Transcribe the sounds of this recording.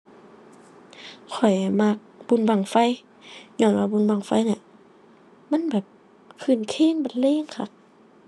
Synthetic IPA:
kʰɔ˨˩jma˧k̚b̥u˧˨nba˧˩˨ŋfa˧˥˨j | ɲɔː˧˨nwaː˧˨bu˧˨nba˧˩ŋfa˧˨jna˧˦ | ma˧˥˨nbɛː˨˩p̚ | kʰɯː˧˩˨nkʰeː˧˥˨nba˧˩nleː˧˥˨ŋkʰa˧˩

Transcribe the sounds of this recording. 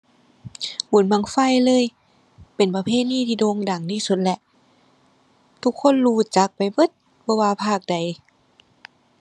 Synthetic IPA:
bu˨˦nma˧˩ŋfa˧˥˩jlɤː˧˥˨j | pe˨˩npa˧pʰeː˧˩t̪̚niː˧˥˨t̪ʰiː˧˩doː˧ŋda˨˩ŋdiː˧˩su˧˦t̪̚lɛ˧ʔ | t̪ʰu˧kʰːo˧˥˨nluː˧˩t͡ɕa˨˦k̚pa˨˦jbɤ˧˦t̪̚ | bɔ˧waː˧pʰaː˧˩k̚da˨˩j

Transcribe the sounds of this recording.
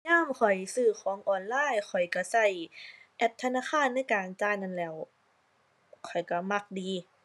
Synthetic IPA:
ɲaː˥˨mkʰɔ˨˩jsɯː˧˩kʰɔː˨˦ŋʔɔː˧˩nlaː˧˥˨jkʰɔ˨˩jka˧˩sa˧˩jʔɛ˧˥˩p̚t̪ʰa˧naː˧˥˨xʰaː˧˥˨nːa˧˥˨jkaː˨nt͡ɕaː˧˥˨jna˧˥˨nlɛː˧˥˩w | kʰɔ˨˩jka˧˩ma˧˩k̚diː˨˧

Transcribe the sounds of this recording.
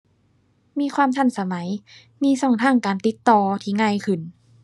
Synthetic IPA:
miː˧˨kʰwaː˧˨mt̪ʰa˧˥˨nsa˧ma˨˩˦j | miː˧˥˨sɔ˧˩ŋt̪ʰaː˧˩˨ŋkaː˨nt̪i˧˦˥t̪ːɔː˧t̪ʰiː˧˩ŋaː˧˨jkʰɯ˧˩n

